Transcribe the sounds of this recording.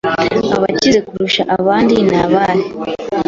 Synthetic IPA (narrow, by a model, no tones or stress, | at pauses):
a̰βacize̞kuɾuʃaʔaβaːndinaβaɾe